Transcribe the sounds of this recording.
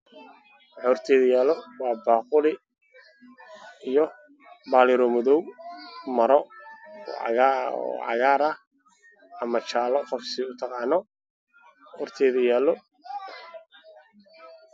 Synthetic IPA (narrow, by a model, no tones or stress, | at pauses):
wħɔrt̪ʰɛːðɐjaːlɔwɑːbɑːqʊlɪ | ijɔ | baːlɪɾɔmɔðɔwmɐɾɔɔ̰ɔ̰ʕɑ̰ɣaːɾɐ | ɐmɐt͡ʃaːlɔqɔfsɪʊt̪ʰɑqɑːnɔ | hɔrt̪ʰɛːðɐjaːlɔ